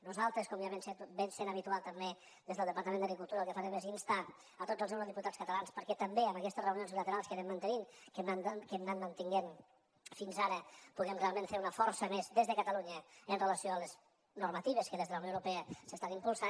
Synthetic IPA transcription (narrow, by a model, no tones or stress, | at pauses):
nuzalˠt̪ɾəskɔmjaβemset̪bensenəβit̪ualˠt̪əmbe | d̪ezðəlˠəpɐɾt̪əmend̪ɐɣɾikulˠt̪uɾəlˠkəfaɾɛmezinst̪an | ət̪od͡zzəlˠznewɾəðiput̪at͡sskət̪əlanspəɾkɛt̪əmbeəməkɛst̪əsrəunionzβilət̪əɾalˠskəɾɛmːənt̪əniŋkənankəmnanmənt̪iŋɡen | finzaɾəpuɣɛmrealˠmẽnfeɾunəfɔɾsəmezd̪ezðəkət̪əluɲəənrələsioələz | nuɾmət̪iβəskəðezðələwnjoəwɾupeəsəst̪animpulˠsa